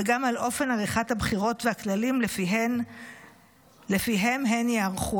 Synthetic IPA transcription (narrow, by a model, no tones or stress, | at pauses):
eɡamalʔo̞fe̞naʁiχathabχiʁo̞tveaklalimlfin | lefiɦemɦenjeaʁχu